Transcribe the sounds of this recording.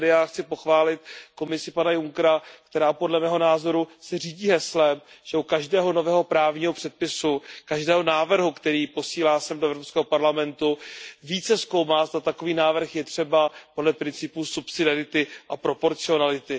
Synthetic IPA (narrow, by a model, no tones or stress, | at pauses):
dɪjaːxt͡sɪpo̞xvaːlɪt̪̚ko̞mɪsɪpanajuŋkɾak̚t̪ɛɾaːpo̞dlɛmɛːɦo̞naːzo̞ɾusɛr̝iːɟiːɦɛslɛm | ʒ̥ɛukaʒdɛːɦo̞no̞vɛːɦo̞pɾaːvɲiːɦo̞pr̥ɛt̪̚pɪsukaʒdɛːɦo̞naːvr̩ɦukt̪ɛɾiːpo̞siːlaːsɛmdoɛvɾo̞pskɛːɦopaɾlamɛnt̪uviːt͡sɛsko̞wmaːzd̪at̪ako̞viːnaːvr̩xjɛt̪r̝̥ɛbapo̞dlɛpɾɪnt͡sɪpuːsupsɪdɪaɾɪt̪ɪʔapɾo̞po̞ɾt͡sɪo̞nalɪt̪ɪ